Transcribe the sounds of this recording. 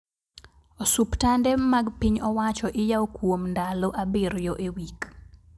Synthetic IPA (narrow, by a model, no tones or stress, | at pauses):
osuptandɛmaɡpiɲɔwat͡ʃɔʔɪjaokwomndaloʔabɪɾjɔʔewik